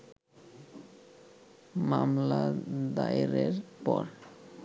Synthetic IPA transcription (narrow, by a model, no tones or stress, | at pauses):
mamlad̪ajɾeɾpɔɾ